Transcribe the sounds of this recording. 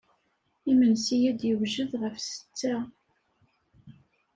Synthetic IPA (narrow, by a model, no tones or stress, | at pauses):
imənsijæd̪jəwʒəðʁəfsə̥t͡sːæ